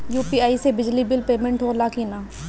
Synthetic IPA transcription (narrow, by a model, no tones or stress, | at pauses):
juːpiːaːiseːbɪd͡ʒliːbɪlpeːmə̃ɳʈɦoːɾlaːkinaː